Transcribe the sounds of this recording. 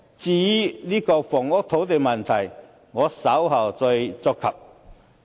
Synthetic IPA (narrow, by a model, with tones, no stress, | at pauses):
t͡siː˧˩˥liː˥kɔː˧fɔː˨˩ŋʊ˥k̚t̪ʰo˨˥wt̪e˨jmɐ˨nt̪ʰɐ˨˩j | ŋɔː˨˧sɐ˨˥wɦɐ˨˩wt͡sɔ˧jt͡sɔ˧kʰːɐ˨p̚